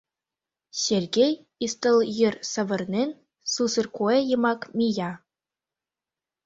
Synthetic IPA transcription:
ɕerʲɡʲej | ist̪ɤ̆lˠjɘ̆rsɤ̆ʋɤ̆rnʲenʲ | susɤ̆rkuejɤ̆mɑkmʲijɑ

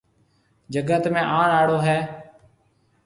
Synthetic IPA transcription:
d͡ʒəɡət̪mẽːʔaːɳaːɽoːɦɛː

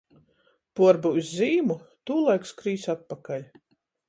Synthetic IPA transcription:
puɔɾbuuzːiːmut̪uːlˠajkskɾiːsat̪̚pakalʲ

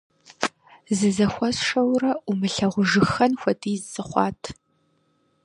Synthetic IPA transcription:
zɨzɐxʷɔsʂɐwrɐʔumɨɬɐʁʷʊʒɨxɐnxʷɐdʰʼiːzzɨχʷɑ̰ːtʰ

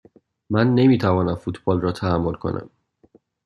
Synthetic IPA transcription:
mænːe̞miːt̪ʰævɒːnæmfut̪ʰb̥ɒːlrɒːt̪ʰæːmːo̞lkʰo̞̰nʔæ̰m

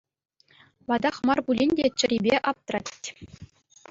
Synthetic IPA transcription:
ʋɑd̪ɑχmɑrbulʲinʲdʲet͡ɕɘ̆ɾʲibʲeʔɑp̚t̪rɑtʲtʲː

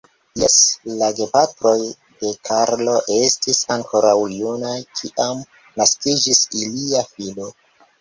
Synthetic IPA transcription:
jeslaɡe̞patɾo̞j | de̞kʰaɾlo̞ʔe̞stisaŋko̞ɾawjunajkʰiʔam | naskid͡ʒisiliafilo̞

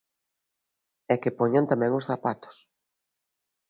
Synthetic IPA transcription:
ɛkɪpɔɲant̪amɛ̃ŋʊsθapat̪ʊ̥s

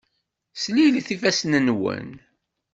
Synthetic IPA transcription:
sliliθifæsnənwə̰n

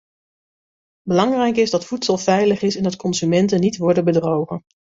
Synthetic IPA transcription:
bəlɑŋrɛjkɪzdɑtfutsəlˠvɛjləχɪsɛnɦətkɔnzymɛntənitʋɔɹdəbədrowχən

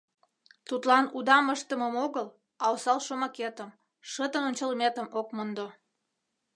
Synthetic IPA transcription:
t̪ut̪lɑnud̪ɑməʃt̪əməmoɣəl | ɑosɑlʃomɑket̪əm | ʃət̪ənonʲt͡ɕəlmet̪əmokmond̪o

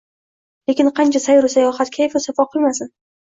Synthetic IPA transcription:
lekʲɪnqʰɑnt͡ʃʰasajɾasajɒχat̪kʲʰajfɪsafɒqʰɨlˠmasɪn

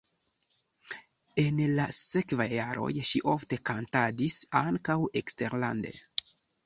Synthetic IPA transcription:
e̞nlase̞kvajːaɾʔo̞̰jʃiʔo̞fte̞kantadisaŋkawe̞kste̞ɾla̰nde̞̰

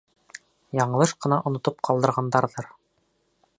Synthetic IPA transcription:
jɑɴɤ̆lˠɤʃqɤ̆nɑʔŏnŏt̪ɤp̚qʰɑlˠd̪ɤ̆ɾʁɑnd̪ɑɾðɤɾ

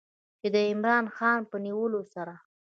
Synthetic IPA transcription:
t͡ʃed̪əɪmɾɑnxɑnpəniwəlosaɾa

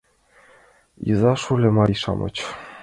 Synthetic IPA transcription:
jɯ̰zɑʃulʲɘ̆mɑɾʲiʃɑ̰mʔɤ̰t͡ɕ

